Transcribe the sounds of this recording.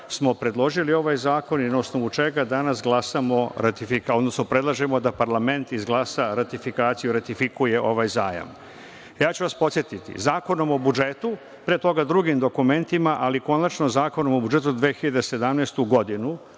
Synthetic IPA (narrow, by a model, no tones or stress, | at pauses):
smo̞pɾe̞d̪lˠo̞ʒilio̞ʋajzaːko̞ninaosno̞ʋut͡ʃe̞ɡad̪anasɡlˠasamo̞ɾat̪ifiko̞d̪nosno̞pɾe̞d̪lˠaʒemo̞d̪apaɾlˠame̞nt̪izɡlˠasaɾat̪ifikaːt̪sijuɾat̪ifikuje̞ʔo̞ʋajzaːja̰m | jaːt͡ɕuʋaspot̪sje̞t̪it̪ḭzaːko̞no̞mo̞bud͡ʒe̞t̪u | pɾet̪o̞ɡad̪ɾuɡimd̪o̞kume̞nt̪imaʔaliko̞nat͡ʃnozaːko̞no̞mobud͡ʒe̞t̪ud̪ʋeːxiʎad̪ese̞d̪amnest̪uɡo̞d̪inu